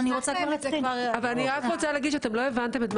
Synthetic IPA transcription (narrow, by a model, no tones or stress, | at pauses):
niʁot͡sakoaaʁavalaniʁakʁot͡saleɡid̪ʃeat̪e̞mlo̞e̞vant̪e̞met̪m